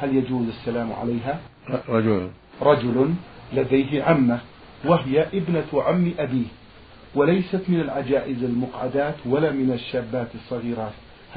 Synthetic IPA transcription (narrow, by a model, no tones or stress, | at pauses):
haljad͡ʒuːzasːalaːmʕa̰lajɦa | ɾˤɑd͡ʒʊl | ɾˤɑd͡ʒʊlʊnlad̪ajɦɪʕamːa | waɦɪjaʔɪbnaʕamːʔabiːh | walajsat̪mɪnalʕad͡ʒaːʔɪzalmʊqʕad̪aːt̪walaːmɪnaʃːaːbːaːt̪ɨsˤːɑɣiːɾɑːt̪ | h